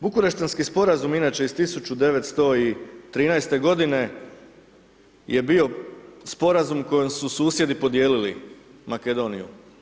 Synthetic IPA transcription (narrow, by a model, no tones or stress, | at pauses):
bukuɾeʃt̪anskispo̞ɾazuminat͡ɕe̞ist̪isut͡ʃud̪e̞ʋet̪st̪o̞it̪ɾiːnajst̪e̞ɡo̞d̪ine̞ | jʔe̞bio̞spo̞ɾazumko̞jemsusuːsje̞d̪ipo̞d̪je̞ːlilḭmake̞d̪o̞nijṵ